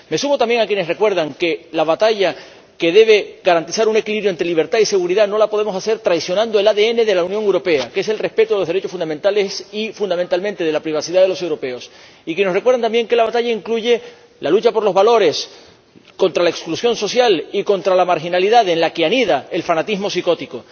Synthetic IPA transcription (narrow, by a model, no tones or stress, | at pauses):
me̞sumo̞t̪ambje̞ŋakjene̞sre̞kwe̞ɾðaŋke̞laβat̪aʝa | ke̞ðe̞β̞e̞ɡaɾant̪isaɾune̞kiliβɾjoent̪ɾe̞liβ̞e̞ɾt̪aise̞ɣuɾiðano̞lapo̞ð̞e̞mo̞sase̞ɾt̪ɾajsjo̞nãnd̪oe̞laðee̞ne̞ðe̞launjõŋewɾo̞pe̞akese̞lre̞hpe̞t̪oeoðeɾet͡ʃosfunamẽ̞nt̪alesifund̪ament̪almẽnt̪e̞ðe̞lapɾiβasiðaðe̞lo̞se̞wɾo̞pe̞o̞s | ikjenerekwðant̪ambje̞ŋke̞laβat̪aʎaiŋkluʝe̞ | lalut͡ʃapo̞ɾlo̞zβalo̞ɾe̞s | ko̞nt̪ɾalaeksklusjo̞nso̞sjaliko̞nt̪ɾalamaɾxinaliðaðe̞nlakeaniðae̞lfanat̪izmo̞siko̞t̪iko̞